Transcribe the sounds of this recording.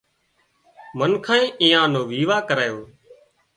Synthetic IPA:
mənkʰãːĩːʔĩːjãːnõːʋiːʋaːkəɾaːjoː

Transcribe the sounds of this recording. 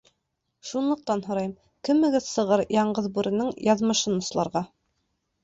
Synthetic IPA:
ʃunlˠɤ̆q̚t̪ɑnɦŏɾɑjɤm | kɘ̆mːɘ̆ɡɘðsɤ̆ʁɤɾjɑɴɢɤðbuɾɘ̆nɤɴjɑðmɤ̆ʃɤnŏslˠɑɾʁɑ

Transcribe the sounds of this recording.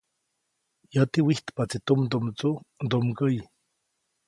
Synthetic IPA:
jat̪iwiht̪pat͡sit̪umd̪omt͡sud̪omkəj

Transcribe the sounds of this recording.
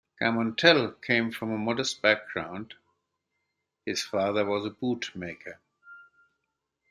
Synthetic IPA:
kʰæmə̃ntʰɛlˠkʰẽɪ̃ɱfɹʌ̃məmɔdəst̚b̥æk̚ɡ̥ɹã̰ʊ̃nd̥ | hɪz̥fɑðə˞wʌzəbutmeɪkʰə˞

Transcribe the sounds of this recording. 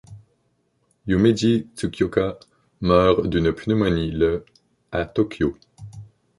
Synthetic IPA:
jumed̪it̪ukʰʲjoka | mœːʁd̪ynpynəmɔnilə | at̪ɔkʲjo

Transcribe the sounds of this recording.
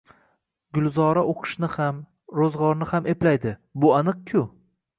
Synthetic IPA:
ɡʊlˠzɒɾaʔoqʰɨ̥ʃnɪham | ɾozʁɒɾnɪhamʔe̞plajd̪ɪbʊanɨq̚kʲʰʊ

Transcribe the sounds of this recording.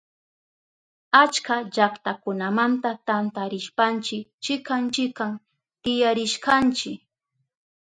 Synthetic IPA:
at͡ʃkaʎakt̪akʊnamant̪at̪ant̪aɾɪʃpant͡ʃɪk̚t͡ʃɪkant͡ʃɪkːam | t̪ɪjaɾɪʃkant͡ʃɪk

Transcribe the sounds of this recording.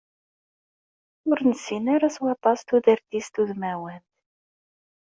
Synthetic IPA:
ʊɾnəsinaɾaswɑt̪ˤɑst̪uðəɾt̪ist̪uðmæwənt̪

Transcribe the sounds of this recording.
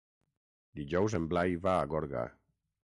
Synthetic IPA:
d̪iʒɔwzemblajβaːɣɔɾɣa̰

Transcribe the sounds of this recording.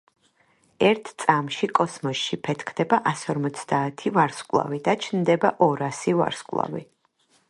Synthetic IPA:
ɛɾt̪ʰt̪sʼamʃikʼɔsmɔsʃipʰɛt̪ʰkʰd̪ɛbaʔasɔɾmɔt̪sʰd̪aːt̪ʰivaɾskʼlˠa̰vid̪at͡ʃʰnd̪ɛbaʔɔɾasiva̰ɾskʼlˠa̰vḭ

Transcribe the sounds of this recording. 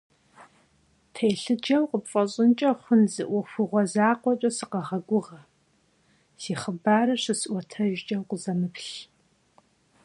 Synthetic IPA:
tʰejɬɨd͡ʒɐwqəpfʼɐɕʼɪnt͡ʃʼɐχʷʊnzɨʔʷɔxʷʊʁʷɔzaːqʷɔt͡ʃʼɐsɨqɐʁɐɡʷʊʁɐ | siːχəbaːɾɐɕʷɨsʔʷɔtʰɐʒd͡ʒʼɐwqəzɐmɨpɬ

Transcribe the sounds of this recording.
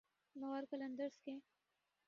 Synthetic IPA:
nɔːɾkələ̃nd̪əɾske

